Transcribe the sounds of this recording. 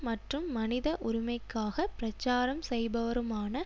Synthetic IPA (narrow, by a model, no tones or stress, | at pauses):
mɐʈrɯmːɐnɪðɐʔʊɾɪmɐɪkːaːɣɐpɪɾɐt͡ʃːaːɾɐmsɛjbɐʋɐɾɯmaːnɐ